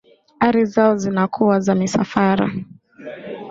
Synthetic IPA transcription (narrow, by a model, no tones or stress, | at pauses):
aɾizaɔzinakʰuwazamisafaɾa̰